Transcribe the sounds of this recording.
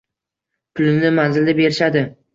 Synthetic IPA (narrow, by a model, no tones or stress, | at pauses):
pʰʊlɪmnɪmanzɪld̪abe̞ɾɪʃad̪ɪ